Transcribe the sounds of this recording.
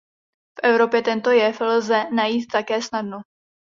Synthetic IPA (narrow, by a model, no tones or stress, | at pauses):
fʔɛvɾo̞pjɛt̪ɛnt̪o̞jɛflzɛnajiːt̪ːakɛːsnadno